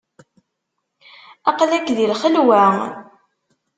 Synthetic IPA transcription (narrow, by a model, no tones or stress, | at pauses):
ɑqlækðilχəlwæ